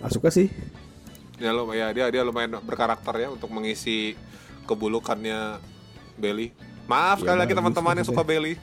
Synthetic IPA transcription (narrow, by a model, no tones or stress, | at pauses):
a̰sukasɪh | jalojadiadialomaɪnbərkaɾak̚t̪ərjaunt̪ʊk̚məŋisi | kəbulukanɲa | beli | maʔafskalilaɡit̪əmant̪əmanjasukabeli